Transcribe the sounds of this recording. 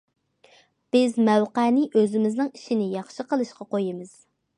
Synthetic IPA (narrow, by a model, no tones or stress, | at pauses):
b̥ɪzmɛwqæːnɪʔøzɪmɪznɪŋiʃinɪjɑχʃɨqəlˠɨʃqɑqojɪmɨz̥